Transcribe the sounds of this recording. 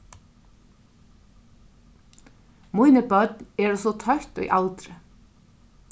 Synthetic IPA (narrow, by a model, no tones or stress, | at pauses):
mujnɪpœt̪̚nɛɾɔsɔt̪ʰœht̪ɔ̰jʔalt̪ɾɪ